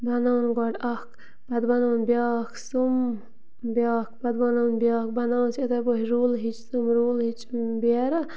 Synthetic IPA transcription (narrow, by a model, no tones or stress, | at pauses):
bɐnawnɡɔɖɐhk | b̥ɐd̪bɐnaːnbjaːkʰsum | bjaːkʰbɐd̪bɐnawnbʲjaːkbɐnawnsɐt̪ɐboɦiɾuːlɦit͡ʃsɨmɾuːlɦit͡ʃbeɾ